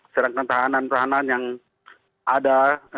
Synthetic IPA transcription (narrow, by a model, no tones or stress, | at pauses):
səɾaŋkant̪aɦanant̪aɦananjaŋ | ʔada